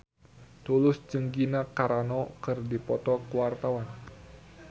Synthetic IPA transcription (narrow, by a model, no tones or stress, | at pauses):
t̪ulʊsd͡ʒɨŋɡinakaɾanɔkɨrdipɔt̪ɔkəwart̪awan